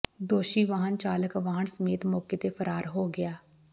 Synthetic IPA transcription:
d̪oːʃiːʋaːɦənt͡ʃaːləkʋaːɦəɳsəmeːt̪moːkeːt̪eːpʰəɾaːɾɦoːɡɪjaː

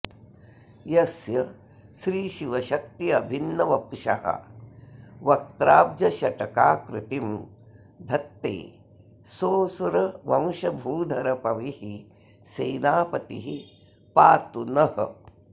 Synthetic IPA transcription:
jɐsjɐ | ʃɾiːʃiʋɐʃɐkt̪iɐbʱinːɐʋɐpʃɐ̰ɦɐ̰ | ʋɐk̚t̪ɾaːb̚d͡ʒɐʃɐʈɐkaːkɾɪt̪im | d̪ʱɐt̪ːḛː | soːsuɾɐʋɐ̃w̃ʃɐbʱuːd̪ʱɐɾɐpɐʋihi | seːnaːpɐt̪ḭɦi | paːt̪unɐhɐ̰

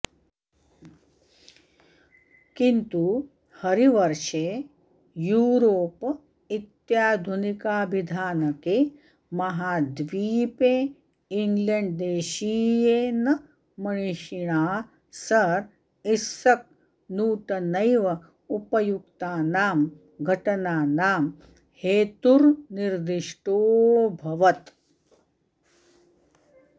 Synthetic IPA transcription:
kint̪u | hɐɾiʋɐɾʃeː | juːɾoːp | it̪jaːd̪ʱunikaːbid̪ʱaːnɐkeː | mɐɦaːd̪ʋiːpeː | iŋɡleɳɖd̪eːʃiːjenɐ | mɐɳ̃iʃiɳ̃aː | sɐɾ | isɐk̚ | nuːʈɐnɐjʋɐ | upɐjukt̪aːnaːm | ɡʱɐʈɐnaːnaːm | heːt̪uɾniɾd̪iʂʈoːbʱɐʋɐt̪

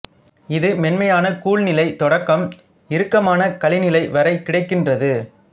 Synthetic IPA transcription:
ɪðɯmɛnmɐjaːnɐkuːɭnɪlɐɪt̪ɔɽɐkːɐm | ɪɾɯkːɐmaːnɐkɐɭɪnɪlɐɪʋɐɾɐɪkːɪɽɐɪkːɪndrɐðɯ

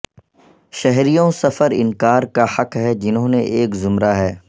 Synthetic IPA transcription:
ʃɛɦɾijõsɐfəɾɪ̰nkaːɾkahɐkɦɛd͡ʒɪnɦõːneʔeːkzʊmɾaɦɛː

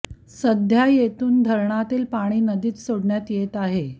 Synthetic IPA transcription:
səd̪ʱjajet̪uːnd̪ʱəɾɳat̪iːlpaɽ̃iːnəd̪iːt̪soɽɳjat̪jet̪aɦe

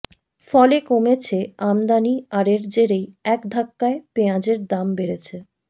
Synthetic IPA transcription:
fɔlekomet͡ɕʰeamd̪aniaɾeɾd͡ʑeɾejɛkd̪ʱakːaepeãd͡ʑeɾd̪ambeɾet͡ɕʰe

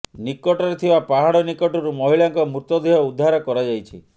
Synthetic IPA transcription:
nikɔʈɔɾet̪ʰibapaɦaɽɔnikɔʈɔɾumɔɦiɭaŋkɔmuɾt̪ɔd̪ʱiɦɔud̪ʱːaɾɔkɔɾad͡ʒajt͡ʃʰḭ

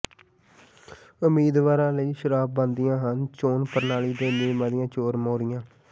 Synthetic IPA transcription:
ʊmiːd̪ʋaːɾãːləiːʃəɾaːb̚bə̃nd̪ɪjãːɦənt͡ʃoːnpəɾnaːliːd̪eːneːmãːd̪ɪjãːt͡ʃoːɾmoːɾɪjãː

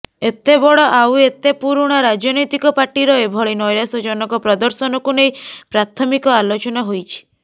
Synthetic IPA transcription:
et̪ebɔɭɔʔawet̪epuɾuɽ̃ɔɾad͡ʒɔnɔjt̪ikɔpaʈiɾɔebʱɔɭinɔjɾasɔd͡ʒɔnɔkɔpɾɔd̪ɔɾsɔnɔkunejpɾat̪ʰɔmikɔalot͡ʃɔnɔɦojt͡ʃʰi̥

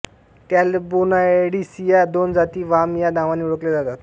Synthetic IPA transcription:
t̪jalebonaeɽisijad̪ond͡zat̪iːʋamjad̪ãʋaniuɽəkled͡zat̪at̪

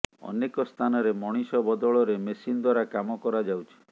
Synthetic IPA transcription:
ɔ̰nekɔst̪ʰanɔɾemɔɽ̃isɔbɔd̪ɔɭɔɾemesinɔd̪waɾakamɔkɔɾad͡ʒawt͡ʃʰi̥

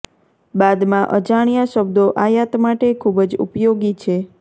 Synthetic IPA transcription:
bad̪mãʔəd͡ʒaɽ̃ijaʃəb̚d̪oʔajat̪maʈekʰubd͡ʒṵpjoɡit͡ʃʰe

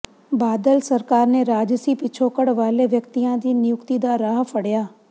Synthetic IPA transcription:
baːd̪əlsɐɾkaːɾneɾaːd͡ʒsiːpɪt͡ʃʰoːkəɽʋaːleʋjəkt̪ijãd̪iːnɪjʊkt̪id̪aɾaːɦpʰɐɽjaː

